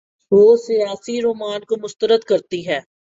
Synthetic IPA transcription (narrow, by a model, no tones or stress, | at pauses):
ʋoːsijaːsiɾoːmaːnkomʊst̪əɾəd̪kɐɾt̪iɦɛː